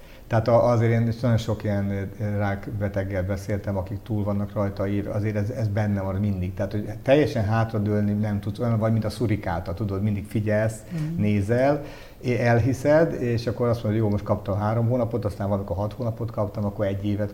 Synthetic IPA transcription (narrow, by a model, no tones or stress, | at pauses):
t̪ɛɦaːt̪ɒʔːzeːɾeːneʃnɒjo̞nʃo̞kijɛnraːkbɛt̪ɛɡːɛlbɛseːlt̪ɛmɒkikt̪uːlvɒnːɒkrɒjt̪ɒiɾɒ̰zeːɾɛzɛzbɛnːɛvɒnmind̪ik̚t̪ɛɦaːt̪hoɟt̪ɛjːɛʃɛnɦaːt̪rɒd̪øːlninɛmt̪ut̪sojɒnvɒɟmint̪ɒsuɾikaːt̪ɒt̪ud̪o̞d̪mind̪ikfiɟɛlsneːzɛl | eɛlɦisɛd̪eːʃɒkːo̞ɾɒst̪monojoːlmo̞ʃt̪kɒp̚t̪ɒmɦaːɾomɦoːnɒpo̞t̪ɒst̪aːmvɒlmiko̞rɦɒt̪hoːnɒpot̪kɒpt̪ɒmɒkːoɾɛɟːeːvɛt̪